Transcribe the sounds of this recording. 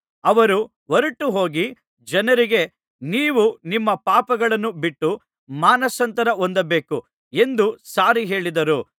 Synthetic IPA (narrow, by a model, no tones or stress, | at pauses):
ɐʋɐɾu | ʋoɾuʈːuɦoːɡi | d͡ʒɐnɐɾiɡe̞ | niːʋunimːɐpaːpɐɡɐɭɐnːubiʈːu | maːnɐsɐnt̪ɐɾɐond̪ɐbe̞ːku | e̞nd̪usaːɾiɦe̞ːɭid̪ɐɾu